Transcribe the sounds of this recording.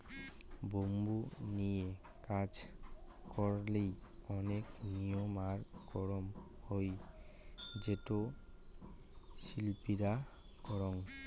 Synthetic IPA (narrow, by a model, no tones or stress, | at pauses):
bombunije | kad͡ʑ | kɔɾlejɔneknijɔmaɾɡ̥ɔɹɔm | hoj | d͡ʑeto | ʃilpiɾa | ɡ̥ɔɾɔŋ